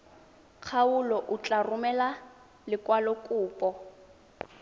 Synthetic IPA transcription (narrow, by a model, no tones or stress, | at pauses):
k͡xʰaʊlɔʔʊt͡ɬʼarʊmɛla | lɪkwalɔkʼuːpʼɔ